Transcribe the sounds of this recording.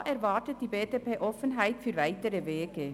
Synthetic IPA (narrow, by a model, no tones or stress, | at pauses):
ʔɛʁvɑːtət̚d̥iːbeːdepeːʔɔfənɦaɪtfyːɐvaɪtəɾəveːɡə